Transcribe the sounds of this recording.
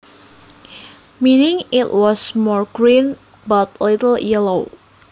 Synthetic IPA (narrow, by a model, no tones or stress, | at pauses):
minɪŋɪtwɔsmɔɹɡ̥ɹin | bat̪̚lɪtəl̩jɛlow